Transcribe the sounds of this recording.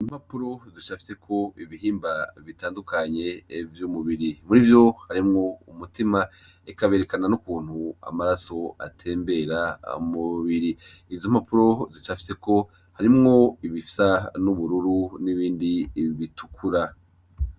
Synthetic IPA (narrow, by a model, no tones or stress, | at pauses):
imhapuɾo̞zit͡ʃafi̥se̞kʰo̞iβiɦiːmbaβitaːndukaɲe̞vjumuβiɾimuɾivjo̞haɾimŋo̞umutima | ikaβe̞ɾe̞kananukuːn̥hua̰maɾaso̞a̰tʰe̞ːmbe̞ɾa̰muβiɾi | izomhapuɾo̞zit͡ʃafi̥se̞ko̞ | haɾimŋo̞iβifi̥sanuβuɾuɾuniβiːndiβitʰu̥kʰuɾa